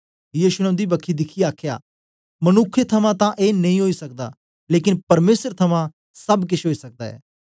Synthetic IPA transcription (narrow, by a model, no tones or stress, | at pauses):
jiːʃunɛʊnd̪ibɐkʰːid̪ɪkʰiaːkʰja̰ː | mɐnʊkʰːet̪ʰɐmãt̪ãʔeːnɐ̃ĩɦoːisɐk̚d̪aː | leːkɪ̃npɐɾmeːsəɾt̪ʰɐmã | sɐbkɪʃeɦoːisɐk̚d̪a̰ːɛ̰ː